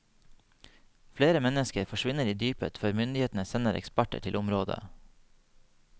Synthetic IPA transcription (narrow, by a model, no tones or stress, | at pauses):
fleːɾəmɛnəskəɾfɔʃʋɪnəɾiːd̪yːpə̰t̪fœɾmʏnd̪ɪheːt̪n̩əsɛnəɾʔɛ̰kspæʈə̰ʈʰɪlʔʊmɾoːd̪ə̰